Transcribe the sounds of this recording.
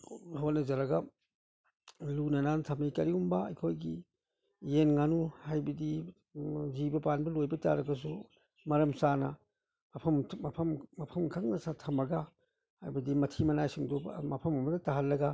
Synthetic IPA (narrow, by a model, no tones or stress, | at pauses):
hotnɐzɐɾɐɡɐ | lunɐnantʰamijkɐɾiumbɐɐ̰jkʰojɡi | jenŋanuhajbɐdi | zibɐpanbɐlojbɐta̰ɾɐɡɐs̬u | mɐɾɐmsanɐ̰ | mɐpʰɐmʰmɐpʰɐmːɐpʰɐmkʰaŋnɐsatʰɐmɐɡa | hajbɐdimɐtʰimɐnajsiŋdomɐpʰɐmɐmɐdɐtaɦɐlːɐɡɐ